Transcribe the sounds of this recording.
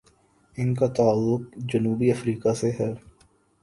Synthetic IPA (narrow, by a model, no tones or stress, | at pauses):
ɪnkat̪aːlːʊk̚d͡ʒɐnuːbiɐfɾiːkaseɦɛɾ